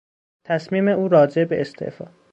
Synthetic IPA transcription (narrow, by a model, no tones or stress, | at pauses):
t̪ʰæsmiːme̞uːɾɒːd͡ʒe̞beʔest̪ʰḛʔfɒ̰ː